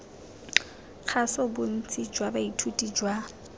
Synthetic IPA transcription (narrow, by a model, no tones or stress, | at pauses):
q͡χʰasɔbʊn̩t͡sʰʼid͡ʒwabaitʰutʼid͡ʒwa